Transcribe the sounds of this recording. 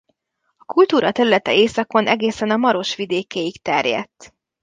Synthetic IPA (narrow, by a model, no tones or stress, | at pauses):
ɒkult̪uːɾɒt̪ɛɾylɛt̪ɛeːsɒko̞nʔɛɡeːsɛnɒmɒɾo̞ʃʋid̪eːkeːjikt̪ɛrjɛ̰t̪ː